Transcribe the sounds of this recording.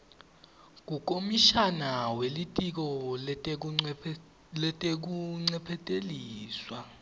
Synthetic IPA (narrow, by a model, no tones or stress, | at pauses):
k̬uk̬ʼomiʃanawelitʼik̬ɔ | lɛtʼek̬uŋ͡ǀɛpʰɛtʼeliːswa